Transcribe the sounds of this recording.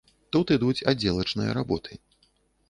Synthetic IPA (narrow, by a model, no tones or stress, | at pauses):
t̪ut̪ɨd̪ut͡sʲad͡zʲːɛlˠɐt͡ʂnɨjɐ̰ɾabɔt̪ʰɨ